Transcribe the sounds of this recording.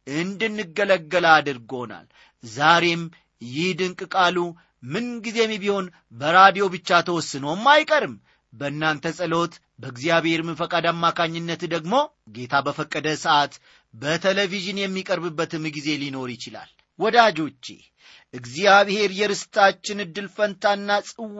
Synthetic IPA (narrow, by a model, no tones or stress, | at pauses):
ʔɨnd̪ɨnːɨɡːələɡːəlad̪ɨɾɡo̞na̰l | zaɾe̞m | jɪhd̪ɨŋkʼɨkʼalu | mɨnɡize̞mibiho̞n | bəɾad̪ijo̞bɨt͡ʃːat̪ʰəwɔsːɨnəwmːajkʼəɾɨm | bənːant̪ʰəsʼɨlo̞t̪ | bəɡzijaβhe̞ɾmɨnfəkʼad̪amːakʰaɲːɪnːət̪d̪əɡmo̞ | ɡe̞t̪ʰabəfəkʼːəd̪əsəʔat̪ | bət̪ʰeleviʒɨnjɛmːikʼəɾbɨbːət̪ɨmːɡize̞lino̞ɾjɪt͡ʃɪla̰l | wɔd̪ad͡ʒo̞t͡ʃːḛ | ʔɨɡzijaβhe̞ɾjɛɾɨst̪ʰat͡ʃːɪnɨd̪ːɨlfənt̪ʰanːasʼɨw